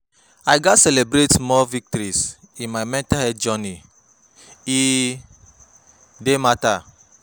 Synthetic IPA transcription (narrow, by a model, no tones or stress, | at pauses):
ajɡatsɛlebɾetmɔvik̚tɔɾis | ĩnmajmɛ̃ntahɛd̚d͡ʒɔni | i | demata